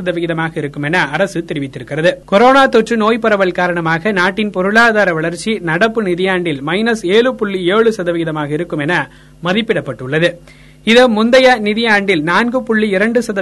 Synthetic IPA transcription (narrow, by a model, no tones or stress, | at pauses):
ɐðɐʋɪɣɪðɐmaːɣɐɪɾɯkːɯmɛnɐɐɾɐsɯt̪ɛɾɪʋɪt̪ːɪɾɯkːɪrɐðɯkɔɾoːnaːt̪ɔʈrɯnoːjpɐɾɐʋɐɭkaːɾɐɳɐmaːɣɐnaːʈːɪnpɔɾɯɭaːðaːɾɐʋɐɭɐɾt͡ʃːinɐɽɐpːɯnɪðɪjaːɳɖɪlmɐɪnɐseːɭɯpʊɭːieːɻɯsɐðɐʋɪɣɪðɐmaːɣɐɪɾɯkːɯmɛnɐ | mɐðɪpːɪɽɐpːɐʈːɯɭːɐðɯ | ɪðɐmʊnd̪ɐjanɪðɪjaːɳɖɪlnaːnɡɯpʊɭːiɪɾɐɳɖɯsɐðɐ